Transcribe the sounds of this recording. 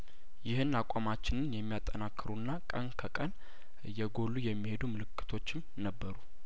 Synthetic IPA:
jɪhɨnːakʷʼamat͡ʃːɪnɨnjɛmːijat̪ʼːənakːɨɾunːakʼənkʰəkʼən | jɛɡo̞lːujɛmːihe̞d̪umɨlɨkːɨ̥t̪ʰo̞t͡ʃːɪm | nəbːəɾu

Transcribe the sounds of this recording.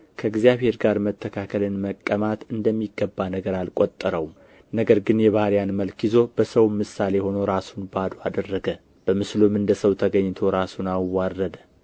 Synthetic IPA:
kʰəɡzjaβhe̞ɾɡaɾmət̪ʰːəkʰakʰəlɨnməkʼːəmat̪ɨnd̪əmːiɡːəbːanəɡəɾalkʼot̪ʼːəɾəw | nəɡəɾɡɨnjɛβahɾjanməlkizo̞b̥əsəwmːɨsːale̞ho̞no̞ɾasunbad̪oad̪ərːəɡə | b̥əmɨslumɨnd̪əsəwt̪ʰəɡəɲːt̪ʰo̞ɾasunawarːəd̪ə

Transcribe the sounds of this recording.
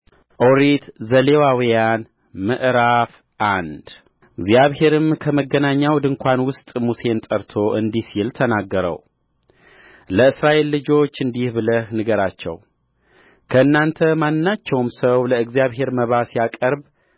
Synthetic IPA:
ʔoɾit̪zəlewawijan | mɨʔɾaf | ʔand̪ | ɨɡzijaβhe̞ɾɨmkʰəməɡənaɲːawd̪ɨŋkʷʰanwʊst̪ʼmuse̞nt̪ʼəɾt̪ʰo̞ʔɨnd̪isilt̪ʰənaɡːəɾə̰w | ləɨsɾaʔe̞lːɨd͡ʒo̞t͡ʃːɨnd̪ihbɨləhnɨɡəɾat͡ʃːɛ̰w | kʰəɨnːant̪ʰəmanːat͡ʃːɛwmsəwləɨɡzjaβɦe̞ɾməβasijakʼəɾb

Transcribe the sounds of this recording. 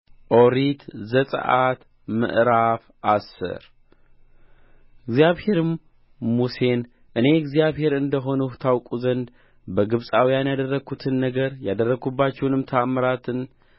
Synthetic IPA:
ʔoɾit̪zəsʼə̰ʔat̪ | mɨ̰ʔɾaf | ʔasːɨ̰ɾ | ɨɡzijaβhe̞ɾɨmː | use̞n | ʔɨne̞ɨɡzjaβhe̞ɾɨnd̪əɦo̞nuht̪ʰawkʼuzənd̪ | bəɡɨβsʼawijanjad̪ərːəɡut̪ʰɨnːəɡəɾjad̪ərːəɡubːat͡ʃːɛwnɨmt̪ʰaməɾat̪ʰɨn

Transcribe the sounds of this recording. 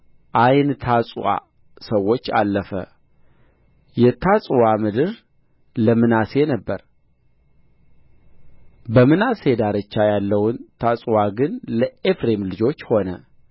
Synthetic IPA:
ʔajnt̪ʰasʼwa̰ | səwːo̞t͡ʃːa̰lːəfə̰ | jɛt̪ʰasʼwamɨd̪ɨɾ | ləmɨnase̞nəbːəɾ | bəmɨnase̞d̪aɾət͡ʃːajalːəwʊnt̪ʰasʼwaɡɨnləefɾe̞mlɨd͡ʒo̞t͡ʃːho̞nə̰

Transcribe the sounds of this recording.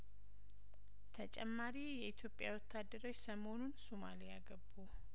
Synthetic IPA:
t̪ʰət͡ʃʼɛmːaɾijɛit̪ʰjo̞pʼjawɔt̪ʰːad̪ːəɾo̞t͡ʃːsəmonunsomalijaɡəbːu

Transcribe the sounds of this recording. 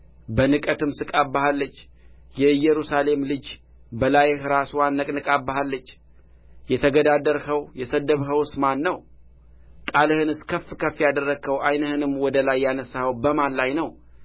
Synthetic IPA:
bənɨkʼət̪ʰɨmsɨkʼabːahalːət͡ʃː | jɛjɛɾusale̞mlɨd͡ʒ | bəlajhɨɾaswanːəkʼnɨkʼabːahalːət͡ʃː | jɛt̪ʰəɡəd̪ad̪əɾhəwjɛsəd̪əβɦəwsmanːəw | kʼalɨhɨnɨskʰəfːkʰəfːijad̪ərːəkʰːəwʔajnəhɨnɨmːwɔd̪əlajːanəsahəwbəmanlajnəw

